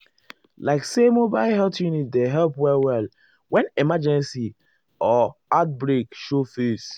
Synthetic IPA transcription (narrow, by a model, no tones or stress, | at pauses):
laɪksemobaɪlɦɛltjunit̚deɦɛlpwɛlwɛl | wɛ̃nemad͡ʒɛ̃nsi | ɔat̚bɹekʃofes